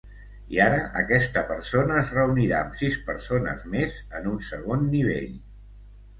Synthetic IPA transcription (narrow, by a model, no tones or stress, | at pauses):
iaɾəʔəkɛst̪əpəɾsonəːzrəuniɾaəmsispə̰ɾsonə̰zmezənunsəɣonːiβ̞ḛʎ